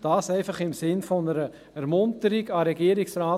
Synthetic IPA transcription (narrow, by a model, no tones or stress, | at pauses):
d̥ɑːsɛɪfɑχɪmsɪnfɔnəɾə | æɾmʊntəɾiɡɑɾɛɡiːəɾiksɾaː